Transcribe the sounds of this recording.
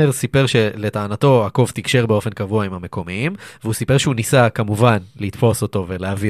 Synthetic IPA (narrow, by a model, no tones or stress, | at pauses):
eʁsipeʁʃe̞letaːnat̪o̞ako̞vt̪ikʃe̞ʁbe̞o̞fe̞nkavuaimhame̞ko̞miimveusipe̞ʁʃeunisakamuvanlit̪fo̞so̞t̪o̞ve̞leavi